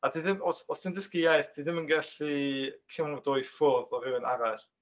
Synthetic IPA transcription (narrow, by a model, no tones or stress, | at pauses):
adiðɪmɔsɔsd̥ɪndɪskɪjajθd̥iðɪmənɡɛɬikʰɪmɔdɔɨfʊðɔvɨwənaɾaɬ